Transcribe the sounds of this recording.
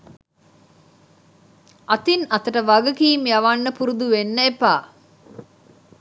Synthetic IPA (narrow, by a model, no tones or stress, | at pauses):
ɐt̪inɐt̪əʈəʋaɡəkiːmjaʋanːəpuɾud̪uʋenːəepaː